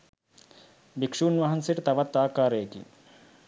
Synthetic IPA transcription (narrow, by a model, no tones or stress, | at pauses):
bikʂuːnʋaɦɐnseʈt̪ɐʋat̪ːaːkaːɾəjekḭ